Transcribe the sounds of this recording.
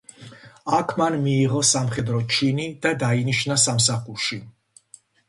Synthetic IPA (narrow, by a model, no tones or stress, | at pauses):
akʰmanmiːʁɔsamχɛd̪ɾɔt͡ʃʰinid̪̥ad̪ainiʃnasamsaχuɾʃi